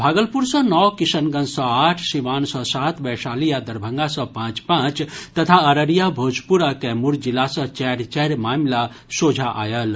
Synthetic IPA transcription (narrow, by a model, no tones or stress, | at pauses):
bʱaːɡəlpuɾsɔ̃nɔwkisənɡənsɔ̃aʈʰsiʋaːnsɔ̃saːt̪bɛsaːlijad̪əɾbʱə̃ŋɡasɔ̃pãːt͡ʃpãt͡ʃt̪ɐt̪ʰaəɾəɾijabʱoːd͡ʒpuɾakɛmuɾd͡ʒilːasɔ̃t͡ʃɛɾt͡ʃɛɾmaːmla | sod͡ʒʱaʔa̰jəl